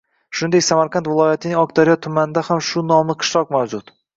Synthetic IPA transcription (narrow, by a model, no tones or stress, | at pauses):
ʃʊnɪd̪ekʲsamaɾqʰɑnt̪vɪlˠɒjat̪ʰɪnɪŋɒk̚t̪aɾjɒt̪ʰʊmanɪd̪ahamʃʊnɒmɪqʰɨ̥ʃɾɒqmawd͡ʒʊt̪